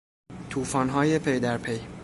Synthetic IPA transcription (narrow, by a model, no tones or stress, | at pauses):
t̪ʰuːfɒːnɦɒːjepʰejd̪æɾpʰej